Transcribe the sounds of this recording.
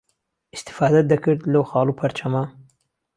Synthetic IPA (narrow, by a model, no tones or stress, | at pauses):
ist̪ɪ̥fɑːd̪ɐd̪ɐkɨɾd̪lɐwxɑːlˠupʰɐɾt͡ʃʰɐmɐ